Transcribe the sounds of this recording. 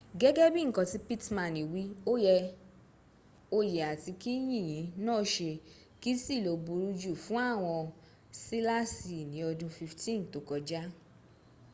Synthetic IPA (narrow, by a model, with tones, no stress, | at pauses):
ɡɛ˦ɡɛ˦bĩ˦˨ŋ̩˨kɔ̃˧˨ti˨˦pi˦tmã˨ni˨wi˨˦o˦jɛ˧ | o˧je˨a˨ti˨˧ki˦j̃ĩ˦˨j̃ĩ˨˦nɔ̃ː˦˨ʃe˧ | ki˦si˦˨lo˨bu˧ɾu˧˦d͡ʒu˦˨fũ˦a˦˨w̃ɔ̃˧ | si˦la˦si˨nĩ˨˦ɔ˧dũ˧fi˧ftĩ˦n˨to˨˦kɔ˧d͡ʒa˦